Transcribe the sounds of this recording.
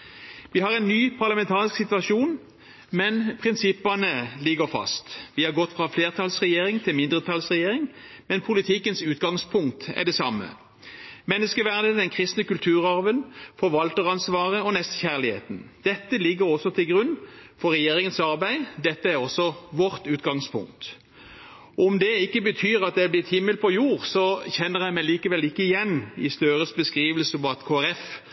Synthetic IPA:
ʋɪhɑʁɛɪnːyːpʰɑʁlɑmɛnt̪ʰɑːʁɪsksɪt̪ʋɑʃuːn | mɛnpʰʁɪnsɪpːɑnəlɪɡəʁfɑ̰st̪ʋɪhɑʁɡɔt̪ːfʁɑfleːʁt̪ʰɑlsʁɛjeːʁɪŋt̪ʰɪlmɪnd̪ʁət̪ʰɑlsʁɛjeːɾɪŋmɛnpʰʊlɪt̪ʰɪkːənsʉːt̪ɡɑŋspʰʊŋk̚t̪æ̰ʁd̪ɛsɑmːə̰ | mɛnːəskəʋæʁd̪əd̪ɛnkʰʁɪst̪nəkʉlt̪ʰʉːʁɑʁʋənfɔʁʋɑlt̪əʁɑnsʋɑːʁəɔnɛst̪çæʁlɪhḛːt̪n̩d̪̥ɛt̪ːəlɪɡːəʁɔsːɔt̪ʰɪlɡʁʉnːfɔʁːɛjeːɾɪŋənsɑʁbæɪd̪ɛt̪ːəæʁɔsːɔʋɔʁt̪ʉːt̪ɡɑŋspʰʊ̰ŋk̚t̪ | ɔmd̪ɛɪkːəbət̪ʰyːʁɑt̪̚d̪ɛblɪt̪hɪmːəlpʰɔjuːʁsɔçɛnːəʁjæɪmæɪliːkəʋɛlɪkːəɪjɛnːɪ̰st̪øːʁəsbəskʁiːʋəlsəpɔɑt̪kʰoːæʁɛf

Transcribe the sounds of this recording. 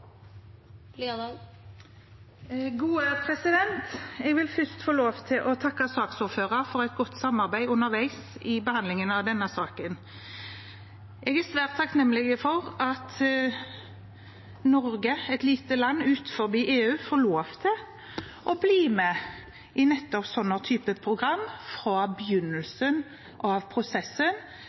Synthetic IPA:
ɡuːəpʰɾɛsɪd̪ɛnt̪ɛɡʋɪlfʏst̪foːloːʋt̪ʰɪlʔɔt̪ʰɑkːɑsɑːksuːɾføːʁəɾfɔɾɛt̪̚ɡɔt̪ːsɑmɑʁbæɪʊnəɾʋæɪsɪbəhɑnd̪lɪŋənɑʋd̪ɛnːəsɑːkən | ʔɛɡæsʋæːʁt̪ʰːɑknɛmːəlɪɡəfɔʁɑt̪ | nɔɾɡəɛt̪liːt̪əlɑnːʉːt̪fɔɾbiːʔeːʉːfoːloːʋt̪ʰɪl | ʔɔbliːmɛ | ʔɪnɛt̪ːɔpsɔnːət̪ʰyːpəpʰʁʊɡɾɑmːfɾɑbəjʉnːəlsən | ʔɑʋpʰɾʊsɛsən

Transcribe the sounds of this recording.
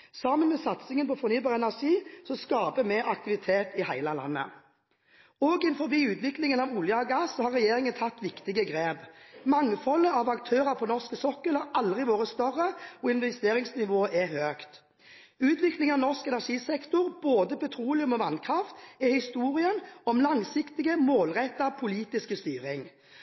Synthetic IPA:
sɑmənmɛsɑt̪sɪŋənpʰɔfɔʁnyːbɑːʁəɛnæʁʂiːsɔskɑːbəmeːɾɑkt̪ɪʋɪt̪ʰeːt̪ɪhæɪləlɑ̰nːə̰ | oːɡɪnfɔɾʋiːʉːt̪ʋɪklɪŋənɑʋʊljəɑɡɑsɔhɑːʁːɛjeːʁɪŋənt̪ʰɑt̪ːʋɪkt̪ɪɡəɡʁeːbmɑŋfɔlːəɑʋɑkt̪ʰøːʁɑʁpʰɔnɔʁskəsɔkːəlhɑʁɑld̪ʁɪʋoːʁəst̪œʁːəɔɪnʋɛst̪eːʁɪŋsnɪʋoːʔɛhøːkt̪ | ʉːt̪ʋɪklɪŋɑʋnɔʁskɛnæʁʂiːsɛkt̪ʊʁboːd̪əpʰɛt̪ʰʁuːlɪʉmɔʋɑnkʰʁɑft̪ɛhɪst̪uːʁɪənɔmlɑŋsɪkt̪ɪɡəmoːlʁɛt̪ːɑpʰʊliːt̪ɪskəst̪yːʁɪŋ

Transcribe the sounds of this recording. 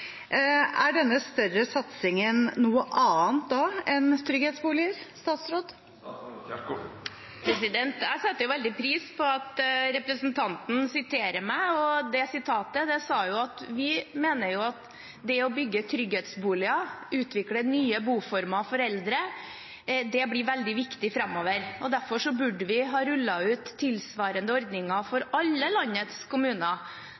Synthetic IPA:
æɖɛnːəst̪œɾəsɑt̪sɪŋənːuːəʔɑːənt̪̚d̪ɑɛnt̪ʰɾʏɡheːt̪sbuːlɪəɾst̪ɑːt̪sɾoːd̪ | pʰɾɛsɪd̪ɛnt̪jæɪsɑt̪ːəjʊʋɛld̪ɪpʰɾiːspʰɔɑt̪ɾɛpɾəsnt̪ʰɑnt̪n̩sɪt̪ʰeːɾəmæɪɔd̪ɛsɪt̪ʰɑːt̪əd̪ɛsɑːjʊɑt̪ʋɪmeːnəɾjʊɑt̪ | d̪ɛɔbʏɡːət̪ʰɾʏɡheːt̪sbuːlɪɑʉːt̪ʋɪklənyːəbuːfɔɾmɑfɔɾɛld̪ɾə | d̪ɛblɪʋɛld̪ɪʋɪkt̪ɪfɾɑmːoːʋəɾɔd̪æɾfɔʂɔbʉɖəʋɪɦɑːɾʉlːɑʉːt̪ʰːɪlsʋɑːɾənd̪əɔɾd̪nɪŋɑfɔɾɑlːəlɑnːət̪skʰʊmʉːnə

